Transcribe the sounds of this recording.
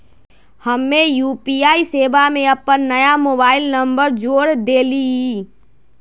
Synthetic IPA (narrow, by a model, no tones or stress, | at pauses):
həmːẽjuːpiaːiseːbamẽəpːənːəjamoːbaːɪlnəmbəɾd͡ʒoːɾd̪eːli